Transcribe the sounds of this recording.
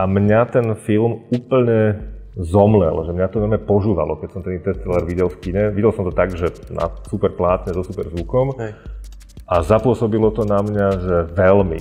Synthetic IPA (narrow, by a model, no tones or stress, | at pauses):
ʔamɲat̪ɛnfilmuːpl̩ɲɛzɔmlɛ̰lʒɛmɲat̪ɔnɔɾmɛpɔʒuːʋa̰lɔkɛcsɔmt̪ɛnit̪ɛst͡sɛlaɾʋiɟɛlfkiɲɛʋiɟɛlsɔmt̪ɔt̪aɡʒɛna̰supɛɾplaːt̪ɲɛzɔsupɛɾzʋukɔm | ʔazapʊɔsɔbilɔt̪ɔnamɲaʒɛʋɛlmḭ